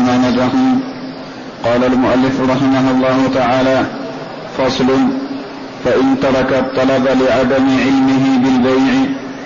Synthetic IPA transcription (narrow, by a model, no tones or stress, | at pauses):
maːnad͡ʒahʊm | qɑːlalmʊʔalːɪfɾˤɑħɪmaɦʊlˤːɑːhʊt̪aʕaːlaː | fɑsˤlʊn | faʔɪnt̪ɑɾˤɑkat̪ˤːɑlɑbalɪʕad̪amɪʕɪlmɪɦɪbɪlbajʕɪ